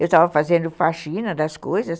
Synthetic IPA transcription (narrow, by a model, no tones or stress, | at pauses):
ewst̪avɐfazẽnd̪ʊfaʃĩnɐd̪ɐskojzɐs